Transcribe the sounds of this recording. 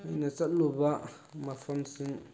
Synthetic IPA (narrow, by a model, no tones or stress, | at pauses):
ainasaʔloba | mafansɨŋ